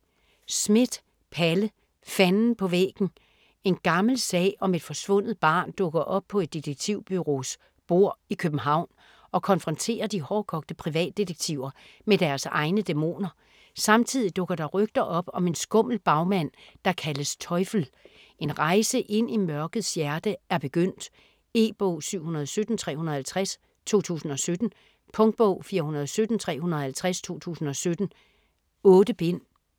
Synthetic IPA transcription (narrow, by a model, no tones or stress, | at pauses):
smed̥ | pʰælə | fænn̩pʰɒ̽ʋḛːɡ̥n̩ | e̝nɡ̥ɑ̈ml̩sɛ̰ːɒ̽me̝d̥fɒ̽sʋɔ̽n̰ð̞̩ˠb̥ɑ̈ːnd̥ɔ̽ɡ̥ɐʔɒ̽b̥̚pʰɒ̽e̝d̥ːid̥eɡ̥̚t͡sʰiʊ̰b̥yʁo̝s | b̥o̝ɐ̰ikʰøb̥̩ɦɑ̈ʊ̰n | ɒ̽kʰɒ̽nfʁɒ̽nt͡sʰe̝̰ːɐd̥ihɒːkʰɒ̽ɡ̥̚d̥əpʰʁiʋɛ̰ːd̥ːid̥eɡ̥̚t͡sʰiʊɐ | med̥æɐsɑ̈ɪnəd̥e̝mo̝̰ːnɐ | sɑ̈mt͡sʰið̰ˠid̥ɔ̽ɡ̥ɐɾ̥ɑ̈ʁœɡ̥̚d̥ɐʔɒ̽b̥ɒ̽me̝nsɡ̥ɔ̽m̰l̩b̥ɑ̈ʊmæn̰d̥ɑ̈kʰæləst͡sʰɒ̽ɪfl̩ | e̝nʁɑ̈ɪsəʔe̝n̰imɶɐɡ̥əð̩ˠsjæɐd̥əæɐb̥e̝ɡ̥øn̰d̥ | e̝̰ːb̥ɔʊ̰syʊ̰hunɐð̞ˠsød̥n̩t͡sʰʁɛ̰ːhunɐhælt͡sʰʁas | t͡sʰo̝̰ːt͡sʰṵːsn̩ɒ̽sød̥n̩ | pʰɔ̽ŋd̥̚b̥ɔʊ̰fiːɐhunɐðˠɒsød̥n̩t͡sʰʁɛ̰ːhunɐð̩ˠhælt͡sʰʁast͡sʰo̝̰ːt͡sʰṵːsn̩ɒ̽sød̥n̩ | ɔ̽ːd̥əb̥e̝n̰